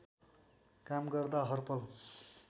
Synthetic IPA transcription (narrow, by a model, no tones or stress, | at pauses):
kamɡʌrd̪aɦʌrpʌl